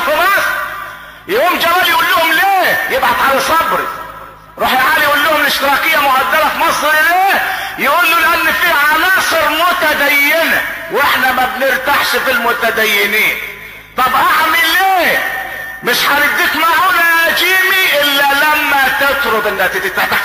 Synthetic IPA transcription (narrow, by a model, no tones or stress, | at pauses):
fɪmɑsˤɾ | jaʔuːmd͡ʒæbæljʔuːlːʊhʊmleːjebʕad̪ʕalæsˤɑbɾḭ | ɾˤuːħjaʕaːljʔuːlːʊhʊmlɪʃt̪ɪɾˤɑːkɪjːæmʊɡæd̪ːæɾæfimɑsˤɾɪleːjɪʔuːlːulɪʔanːfiʕanɑːsˤɨɾmʊt̪æd̪æjːenæ̰ | weħnæmæbnɪɾt̪aʕʃfilmʊt̪æd̪æjːɪniːn | t̪ˤɑbʔaʕmileː | mɪʃħanɪd̪ːiːkmaʕunææd͡ʒiːmiʔɪlːælæmːæt̪et̪ˤɾob̪ʔɪnːæt̪ɪt̪it̪ːab̪a